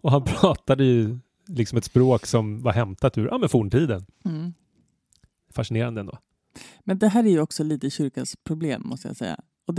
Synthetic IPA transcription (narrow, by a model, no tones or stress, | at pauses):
ɔɦanpʰɾɑːt̪ad̪əjɵ | lɪksɔmɛt̪spɾoːksɔmvaɾɦɛmt̪at̪ʉɾʔa̰ːmɛnfuːɳʈʰiːd̪ən̩ː | faʂɪneːɾand̪əɛnd̪o̰ː | mɛnd̪ɛɦæːɾæɾjɵɔksɔliːt̪əɕʏɾkaspʰɾʊbleːmːɔ̰st̪əja̰sɛ̰jːa̰ | ɔd̪